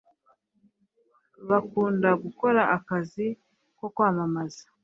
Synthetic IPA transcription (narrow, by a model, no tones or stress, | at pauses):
βakuːndaɡuko̞ɾaʔakazi | ko̞kwaːmamazḁ